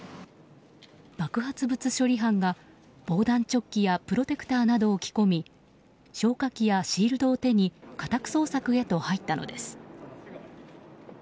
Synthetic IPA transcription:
b̥akɯ̟ɦat͡sɨbɯ̟t͡sɨɕo̞ɾʲiɦãŋɡa | b̥o̞ːd̪ãɲ̟t͡ɕo̞kʲːijapɯ̟ɾo̞t̪e̞kɯ̟̥t̪aːnad̪o̞ːkʲi̥ko̞mʲi | ɕo̞ːkakʲːijaɕiːɾɯ̟d̪o̞ːt̪e̞ɲ̟ikat̪akɯ̟̥so̞ːsakɯ̟e̞t̪o̞hait̪ːano̞̰d̪e̞sɨ̥

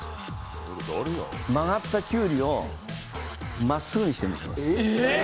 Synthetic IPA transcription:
oɾd̪oɾɯjo̰maɡat̪ːakʲɨːɾʲio̞ | masːɨɡɯ̟ɲ̟iɕi̥t̪emiɕḭma̰s

